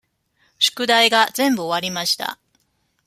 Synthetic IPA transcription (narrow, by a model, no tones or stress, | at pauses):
ɕɨ̥kɯ̟d̪aiɡazẽ̞mbɯ̟o̞β̞aɾʲimaɕi̥t̪a̰